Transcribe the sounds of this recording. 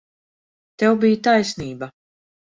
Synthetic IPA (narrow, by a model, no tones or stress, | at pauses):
t̪ɛwbijt̪ajsniːba